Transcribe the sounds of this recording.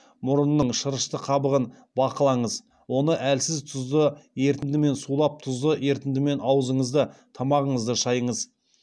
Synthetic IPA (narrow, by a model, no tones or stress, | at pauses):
mʊɾənːəɴʃəɾəʃt̪əqʰɑbəʁən | bɑqəlˠɑɴəz | wo̞nəʔælsɪzt̪ʰʊzd̪əje̞ɾt̪ɪnd̪ɪme̞nsulˠɑp̚t̪ʰʊzd̪əe̞ɾt̪ɪnd̪ɪme̞nɑwəzəɴəzd̪ət̪ʰɑmɑʁəɴəzd̪əʃɑjəɴəz